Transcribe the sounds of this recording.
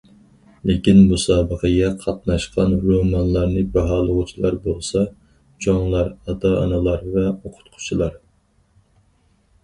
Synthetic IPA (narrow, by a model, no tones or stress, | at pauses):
lekʲinmusɑːbəqəɡʲɛqʰɑt̪̚nɑʃqʰɑnɾomɑnlˠɑɾnɨbɑɦɑːlˠəʁʊt͡ʃʰilˠɑɾbolˠsɑ | d͡ʒɑŋlˠɑɾɑt̪ɑɑ̰nɨlˠɑɾvɛoqʰʊ̥t̪qʰʊ̥t͡ʃʰilˠɑɾ